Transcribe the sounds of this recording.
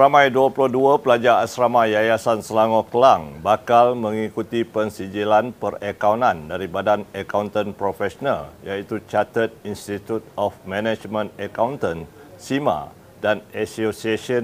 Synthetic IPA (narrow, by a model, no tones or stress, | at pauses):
ramãjduəpulohduapəlad͡ʒaːsɾamãjajasansəlaŋɔkəlaŋbakalmə̃ŋikut̪ipənsid͡ʒilanpərəkawnãndaɾibadanəkawnt̪ənpɾofɛsonaljait̪ut͡ʃat̪ət̪̚inst̪it̪ut̪̚ɔfmɛnɛd͡ʒmə̃nəkawnt̪ən | simã̰ | danasosiasə